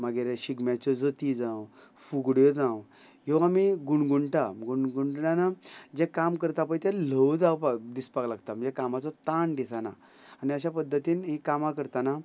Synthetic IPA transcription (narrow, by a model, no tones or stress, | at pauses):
maɡeɾɕiɡmjat͡ɕɔd͡zət̪id͡zãw | fuɡɽjɔd͡zãw | ɦiʋamiɡuɳɡuɳʈaɡuɳɡuɳʈɳjanad͡ʑɛ̃kamkəɾt̪apəjt̪ɛl̤əwd̪awpad̪ispaklaɡt̪aməd͡ʑɛkamat͡sɔt̪aɳd̪isana̰ | aniaɕapəd̪ʱːət̪iːnɦikamakəɾt̪ana